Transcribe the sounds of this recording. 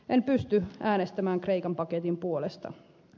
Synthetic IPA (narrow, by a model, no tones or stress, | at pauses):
ʔenpyst̪yæːnest̪æmæːŋkreikɑmpɑket̪impuolest̪ɑ̰